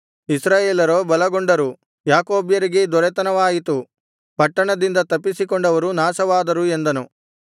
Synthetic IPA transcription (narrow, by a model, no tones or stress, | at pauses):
isɾaːjeːlɐɾoːbɐlɐɡoɳɖɐɾu | jaːkoːbjɐɾiɡed̪ɔɾɛt̪ɐnɐʋaːjit̪u | pɐʈːɐɳɐd̪ind̪ɐt̪ɐpːisikɔɳɖɐʋɐɾunaːsɐʋaːd̪ɐɾue̞nd̪ɐnu